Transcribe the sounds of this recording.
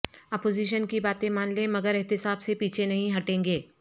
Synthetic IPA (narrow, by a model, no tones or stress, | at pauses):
ɐpoːziːʃ̬ənkibaːt̪ẽmaːnlẽmɐɡəɾɪɦt̪ɪsaːbsepiːt͡ʃʰenɐɦĩɦɐʈẽːŋɡeː